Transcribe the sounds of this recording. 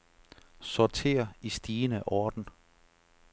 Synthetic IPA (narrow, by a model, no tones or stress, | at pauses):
sɒt͡sʰe̝̰ːɐisd̥iːnəʔɒːd̥n̩